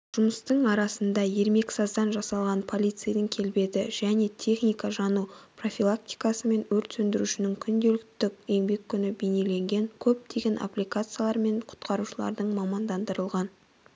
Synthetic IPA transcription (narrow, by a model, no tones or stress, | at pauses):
ʒ̥ʊməst̪əɴɑɾɑsənd̪ɑje̞ɾme̞ksɑzd̪ɑnʒɑsɑlˠʁɑnpʰo̞lʲˠijt̪sɨjad̪əŋkʲʰe̞lbe̞d̪ɪʒ̥æne̞t̪ʲʰe̞χnʲijkɑʒɑnupro̞fʲilˠakt̪ʲi̥jkɑsəme̞nwɵɾt̪sɵnd̪ɪɾuʃɪnɪŋkʲʰʏnd̪e̞lɪk̚t̪ɪkʲeŋbe̞kʲʰːʏnɪbene̞le̞ŋɡʲe̞ŋkʲʰɵp̚d̪ʰe̞ɡʲe̞nʔa̰plʲijkat̪sɨijalˠɑɾme̞ɴqʰʊ̥t̪qʰɑɾuʃəlˠɑ̰ɾd̪əɴmɑmɑnd̪ɑnd̪əɾəlˠʁɑn